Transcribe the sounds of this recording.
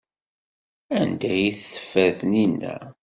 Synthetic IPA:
ænd̪æjiθθə̥fːæðninːæ̰

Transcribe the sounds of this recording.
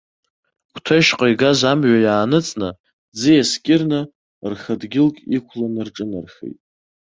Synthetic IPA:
kʷʰtʰaʃqʼajɡazamɥʷajaːnɨt͡sʼnɨ | d͡zɨjaskʲʼɪrnɨ | rχədɡʲɪlkʲʼikʷʰlanɨrʈ͡ʂʼɨnarχḛjtʼ

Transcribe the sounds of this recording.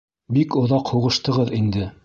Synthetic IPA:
bikŏðɑqhuʁɤ̆ʃt̪ɤ̆ʁɤðind̪ɘ

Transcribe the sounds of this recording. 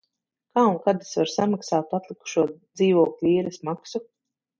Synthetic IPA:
kaːuŋkad̪i̥svaɾsamaksaːt̪at̪lˠiku̥ʃuɔd̪ziːvɔːklʲuiːɾismaksu

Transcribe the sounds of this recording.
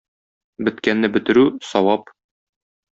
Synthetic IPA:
bɘ̆t̪kænːɘbɘ̆t̪ɘ̆ɾʉsɒwɑp

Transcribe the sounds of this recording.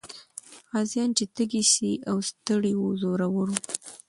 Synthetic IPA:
ɣɑzjɑnt͡ʃet̪əɡisiʔawst̪əɽiwozoɾawəɾu

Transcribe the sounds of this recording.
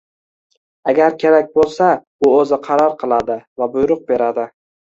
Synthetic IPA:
aɡʲaɾkʲʰe̞ɾak̚ʲbolˠsa | ʊɵzɪqʰɑɾɒɾqʰɨlˠad̪ɪvabʊjɾʊq̚be̞ɾad̪ɪ

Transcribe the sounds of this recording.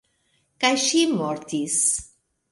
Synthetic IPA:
kajʃimoɾt̪is

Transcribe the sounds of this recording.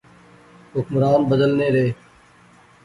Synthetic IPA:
ɦʊkmɾaːnbəd̪əlneːɾeː

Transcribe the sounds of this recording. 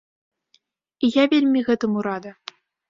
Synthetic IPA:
ijavʲelʲmʲiɣɛt̪ɨmuɾad̪ɐ

